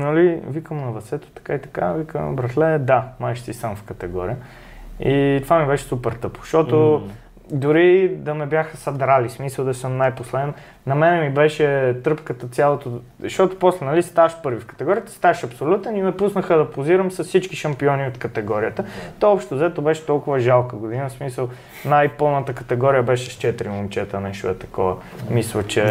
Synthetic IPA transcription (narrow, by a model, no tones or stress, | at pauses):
nɐlivikəmnɐvɐsɛt̪o̥t̪ɐ̥kait̪ɐ̥kavikə̰mnɐ̰bɾɐxlɛd̪amaɛʃsisamfkət̪ɛɡɔɾḭjə | it̪ovamibɛʃɛ̥supɛɾt̪ɤpo̥ʃt̪ɔt̪o | d̪ʊɾid̪ɐmɛbjaxəsɐd̪ɾalismisəlˠd̪ɐsəmnajposlɛd̪ɛn | nɐmɛnɛmibɛʃɛt̪ɾɤpkət̪ət̪sʲjalˠot̪o | ɐʃt̪ɔt̪o̥pɔslɛnɐlist̪avɐʃpɤɾvifkɐ̥t̪ɛɡɔɾijət̪ə̥st̪avəʃɐpsolʲut̪ɛnimɛpusnəxəd̪ɐpoziɾəmsɐssit͡ʃkiʃɐmpiɔniot̪kət̪ɛɡɔɾijət̪ət̪ɔɔpʃt̪ozəɛt̪obɛʃɛ̥t̪ɔlˠkʊvəʒalˠkəɡod̪inəsmisəlˠ | najpɤlˠnət̪əkɐt̪ɛɡɔɾijəbɛʃɛst͡ʃɛt̪ɾimomt͡ʃɛt̪ənɛʃoɛt̪ɐ̥kɔvə | mislˠət͡ʃɛ